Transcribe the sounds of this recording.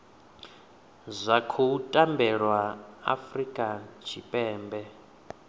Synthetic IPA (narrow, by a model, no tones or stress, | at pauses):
zʷakʰoutʼambɛɺwaa̰frikʼat͡ʃʰipʼɛːmbɛ